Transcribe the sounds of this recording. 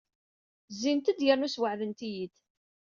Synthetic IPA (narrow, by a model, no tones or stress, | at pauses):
zːint̪əd̪jəɾˤnuswəʕðənt̪ijid̪